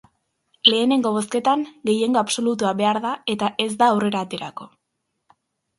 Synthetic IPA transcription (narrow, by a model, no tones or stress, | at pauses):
le̞ːne̞ŋɡo̞β̞o̞ske̞t̪aŋɡe̞je̞ŋɡo̞apso̞lut̪uaβe̞aɾðae̞t̪aʔe̞zd̪aːwre̞ɾaːt̪e̞ɾako̞